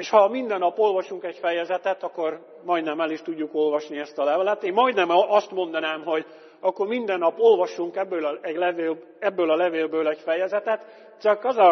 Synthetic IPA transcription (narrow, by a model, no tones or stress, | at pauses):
eːʃhɒmind̪ɛnːɒpo̞lvɒʃuŋkɛɟfɛjɛzɛt̪ɛt̪ɒkːo̞r | mɒjd̪nɛmɛliʃt̪uɟːuko̞lvɒʃniɛst̪ɒlɛvɛlɛt̪eːmːɒjd̪nɛmɒst̪mo̞n̪d̪ɒnaːmɦo̞ɟ | ɒkːo̞rmind̪ɛnːɒpo̞lvɒʃuŋkɛbːøːlɛɟlɛveːl | ɛbːøːlɒlɛveːlbøːlɛɟfɛjɛzɛt̪ɛt̪ | t͡ʃɒkɒzɒ